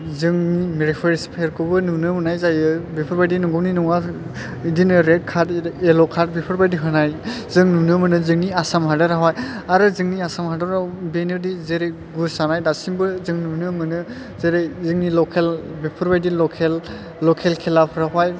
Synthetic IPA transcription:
zɯŋnimeɾipʰɔɾespʰeɾkɯbɯnunɯmɯnajzajɯbipʰɯɾbajdinɔŋɡɯwninɔŋa | idinɯɾed̚kʰatelɔkʰat̚bipʰɯɾbajdiɦɯnajzɯŋnunɯmɯnɯzɯŋniasamɦadɯɾaɦwajaɾɯzɯŋniasamɦadɔɾawbenɯdizeɾej | ɡusanajdasimbɯzɯŋnunɯmɯnɯ | zeɾejzɯŋnilɔkʰelbipʰɯɾbajdilɔkʰelː | ɔkʰelkʰelapʰɾaɦaj

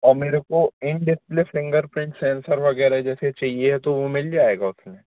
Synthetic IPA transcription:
ɔːɾmeːɾekoɪ̃ɳʈɖɪspleflɪ̃ŋɡəɾpɾɪ̃ɳʈsɛ̃ːnsəɾʋɐɡɛːɾaɦɛd͡ʒɛːset͡ʃaɦieɦɛt̪oʋomɪld͡ʒaːeːɡaʊsnẽː

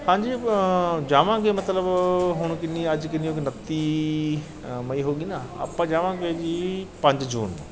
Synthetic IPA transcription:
hãːɲd͡ʑi | d͡ʑaːʋãkeːmɐt̪ləbɦʊɽ̃kɪnĩɐd͡ʑkɪnijõkenɐt̪i | mɐiɦoːɠĩnaɐ̰pãd͡ʑaːʋãkeːd͡ʑiːpɐ̃ɲd͡ʑd͡ʑṵːnː

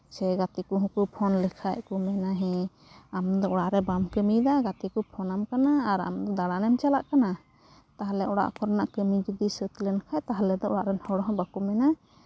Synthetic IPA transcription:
sɛɡat̪ikuɦũkupʰɔnlikʰaʔkumɛnaɦɛ̃ | amd̪ɔɔɽaʔɾɛbamkəmid̪aɡat̪ikupʰɔnamkanaːɾa̰md̪ɔd̪aɽanɛmt͡ʃalaʔkana | t̪aɦalɛʔɔɽa̰ʔkɔɾnaʔkəmid͡ʒud̪isət̪lɛnkʰajt̪aɦlɛd̪ɔʔɔɽaʔɾɛnhɔɽɔɦɔ̃bakumɛna

